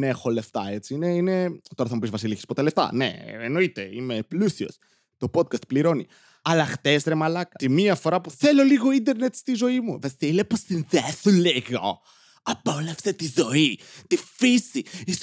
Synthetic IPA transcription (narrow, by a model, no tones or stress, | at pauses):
nexo̞le̞ft̪ɐet͡sineine̞t̪oɾɐθɐmupizvɐsilikespot̪eleft̪ɐ̰nḛeno̞it̪e̞ime̞plusio̰s | t̪o̞po̞t̪̚kɐst̪pliɾo̞ni | ɐlɐxt̪esɾe̞mɐlɐkɐt̪imiɐfo̞ɾɐpuθelo̞liɣo̞ind̪e̞ɾne̞t̪st̪izo̞imuveθileposinðeθuleɣo̰ | ɐpolefset̪izo̞it̪ifisiis